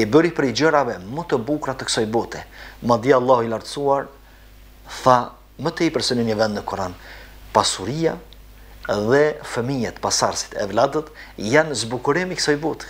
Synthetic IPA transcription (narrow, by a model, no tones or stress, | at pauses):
ibəɾipɾɛjd͡ʒəɾavɛmət̪əbukɾat̪əksajbɔt̪ɛmad̪ialˠːahilaɾt̪suaɾ | θa | mət̪əipɛɾsənənɲəvɛnd̪nəkɔɾan | pasuɾija | ðɛfəmijɛt̪pasaɾsi̥t̪ɛ̰vlad̪ət̪janzbukuɾimiksajbut̪